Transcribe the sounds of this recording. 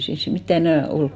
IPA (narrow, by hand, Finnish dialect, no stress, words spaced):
ei siːns sit mitːæ enæˑ olk